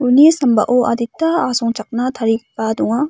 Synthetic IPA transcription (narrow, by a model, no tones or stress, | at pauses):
punisɐmbɐ̰ʔoʔɐ̰ditːɐasɔŋt͡ʃɐk̚nɐt̪ʰɐɾipaduŋa